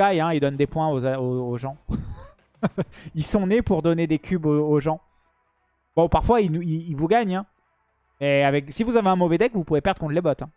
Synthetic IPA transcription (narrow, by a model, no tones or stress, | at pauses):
ajɛ̃ild̪ɔnd̪epwɛ̃ozaoːʒɑ̃ | ilsɔ̃nepuʁd̪ɔned̪ekʲybooʒɑ̃ | b̥ɔ̃paʁfwainuiilvuɡaɲɛ̃ | mɛavɛksivuzaveɛ̃mɔvɛd̪ɛkvupuvepɛʁd̪ʁəkɔ̃t̪lebɔt̪ɛ̃